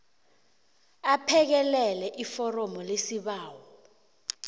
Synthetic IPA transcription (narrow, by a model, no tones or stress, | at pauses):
apʰɛk̬ɛlɛlɛʔifɔrɔmɔlesiɓaːwɔ